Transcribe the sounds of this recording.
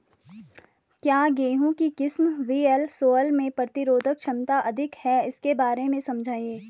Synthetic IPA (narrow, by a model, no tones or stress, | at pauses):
kjaːɡeːɦõkikɪsmʋiːɛlsoːəlmẽpɾət̪ɪɾoːd̪ʱəkʃɐmt̪aʔɐd̪ʱɪkhɛɪskebaːɾemẽsɐ̃md͡ʒʱaːĩeː